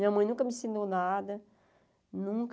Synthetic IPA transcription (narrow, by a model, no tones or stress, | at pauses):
ĩɲɐmɐ̃j̃nũkɐmɪsẽnd̪ownad̪ɐ | nũk